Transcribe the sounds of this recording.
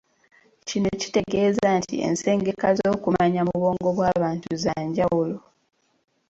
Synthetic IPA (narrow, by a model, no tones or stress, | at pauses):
cinoci̥te̞ɡe̞ːzantḭḛnse̞ːŋɡe̞kazo̞ːkumaɲamuβo̞ːŋɡo̞βwaːβaːntuzaːɲɟawulo